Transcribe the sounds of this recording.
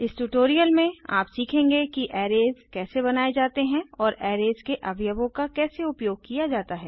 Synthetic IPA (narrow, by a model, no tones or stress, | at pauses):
ɪsʈuʈoːɾijəlmẽa̰ːpsiːkʰẽːŋɡekiʔɛːɾeːzkɛːsebɐnaːed͡ʒaːt̪eɦɛ̃ɔːɾɛːɾeːzkeʔɐbʱjəbõkakɛːseʊpjoːɡ̚kijad͡ʒaːt̪aɦɛː